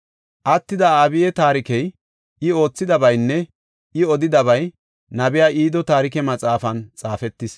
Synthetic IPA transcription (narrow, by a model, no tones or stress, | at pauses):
ʔɐt̪ːɪd̪ɐaːbɪjɛt̪aːɾɪkɛj | ʔɪo̞ːt͡sːɪd̪ɐbɐjnːɛ | ɪɔd̪ɪd̪ɐβɐj | nɐbɪjaːʔiːd̪ɔt̪aːɾɪkɛmɐt͡sʼaːfɐnt͡sʼaːfɛt̪ːɪs